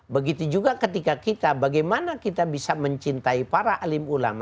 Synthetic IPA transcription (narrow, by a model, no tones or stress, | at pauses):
bəɡit̪ud͡ʒuɡakət̪ikakit̪abaɡajmanakit̪abisaməɲt͡ʃint̪aipaɾaʔalimula̰ma